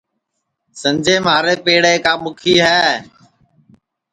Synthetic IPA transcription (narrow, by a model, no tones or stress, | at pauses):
sə̃md͡ʒʱeːmaːɾeːpeːɽeːkaːmʊkʰiːɦɛː